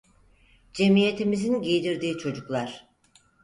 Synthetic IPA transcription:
d͡ʒe̞mije̞t̪ʰimizinɟijd̪iɾd̪iːt͡ʃʰo̞d͡ʒuklˠaɾ̥

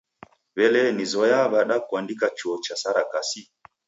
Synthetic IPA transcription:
βɛlɛnizɔjaβaɗakwandikat͡ʃɔt͡ʃasaɾakasi

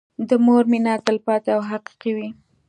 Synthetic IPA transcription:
d̪əmoɾmɪnɑt̪əlpɑt̪aawɦaqi̥qiwi

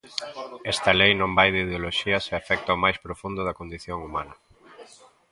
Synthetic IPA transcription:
ɛst̪ɐlejnõmbajðɪið̞eoloʃiɐseafɛk̚t̪ɐomajspɾofund̪ʊðɐkond̪iθjoŋumanɐ

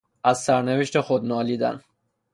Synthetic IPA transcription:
ʔæzsæɾneve̞ʃt̪ʰexod̪nɒːliːd̪æ̰n

